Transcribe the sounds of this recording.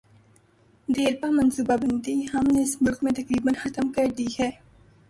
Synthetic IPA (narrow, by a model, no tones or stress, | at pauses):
d̪eːɾpamɐ̃nsuːbabɪnt̪iɦɐmneɪsmʊlkmẽt̪ɐkɾiːbənxɐt̪əmkɐɾd̪iɦɛː